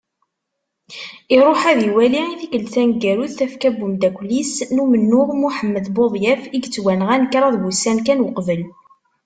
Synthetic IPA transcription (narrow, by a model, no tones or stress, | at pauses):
iɾˤoħæðiwæliiθikəlθænɡæɾuθːæfkæbːumd̪ækʷlisnumənːʊʁmuħəmːəðboðˤjæfiɡt͡sːwænʁænəkɾˤɑðwusænkænwəqvəl